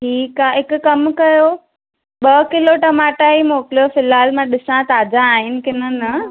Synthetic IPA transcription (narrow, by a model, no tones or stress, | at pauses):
ʈʰiːkaɦɪkkɐmkɐjo | ɓɐkɪloʈɐmaːʈaimoːkɪlijofɪlaːlmãɗɪsãt̪aːd͡ʑãːɦɪnɪ̆kɪnənə